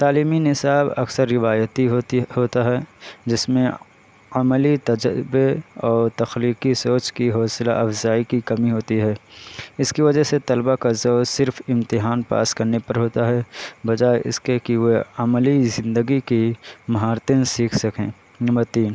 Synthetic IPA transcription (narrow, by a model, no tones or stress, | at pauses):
t̪aːliːminɪsaːbɐksəɾːɪʋaːjət̪iɦohoːt̪aɦɛd͡ʒɪsmẽ | ɐmlit̪ɐd͡ʒəbeɔːɾt̪ɐxliːqisoːt͡ʃkiɦɔːsla̰ʔɐfzaːikikɐmiɦoːt̪iɦɛːɪskiʋɐd͡ʒəɦset̪ɐlbakazoːsɪɾfɪ̃mt̪ɪɦaːnpa̰ːskɐɾnepɐɾɦoːt̪aɦɛbɐd͡ʒaːeʔɪ̰skekiʋoɐmlizɪ̃nd̪əɡikimɐɦaːɾt̪ẽnsiːkʰsɐkẽː | nɐmbəɾt̪iːn